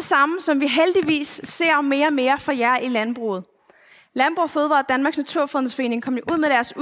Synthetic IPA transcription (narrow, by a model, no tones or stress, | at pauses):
esɑ̈məsɒ̽mʋiɦeld̥iʋḭːsːe̝̰ɐ̰me̝ːɐme̝ːɐfʁɒjæɐʔilænb̥ʁṵːð̩ˠ | lænb̥ʁufoð̞̩ˠʋɑ̰ːld̥ænmɑ̈ːɡ̥snæt͡sʰuɐfʁðˠn̩sfɒe̝̰ːne̝ŋkʰɒ̽m̰̥joʔuð̞̰ˠmeɾ̥æɐs